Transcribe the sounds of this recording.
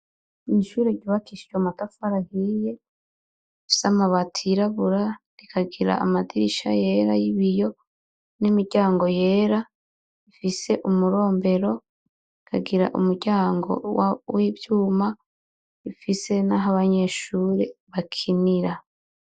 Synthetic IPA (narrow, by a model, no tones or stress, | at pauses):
iʃuːɾeɟuβakiʃi̥t͡ʃomatafaɾahiːje̞ | ifi̥samaβatʰiɾaβuɾaɾikʰaɡiɾa̰ːmadiiʃa̰je̞ːɾajiβijo̞ | nimiɾɟaːŋɡo̞je̞ːɾa | ifise̞ʔumuɾo̞ːmbe̞ɾo̞ | ikʰa̰ɡiɾa̰ʔṵmuɾɟaːŋɡo̞̰wawivjuːma | ifise̞naɦaβaɲe̞ʃuːɾe̞βakʰiniɾa